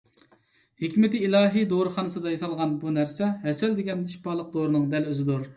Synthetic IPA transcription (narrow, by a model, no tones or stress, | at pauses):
hekʲmɪt̪ɪilˠɑːɦijd̪oɾɨχɑnɨsɨd̪ɑjɑsɑlˠʁɑnbunæɾsɛɦɛsɛld̪ɪɡʲɛniʃpɑlˠəq̚d̪oɾɨnɨŋd̪ɛløzɪd̪uɾ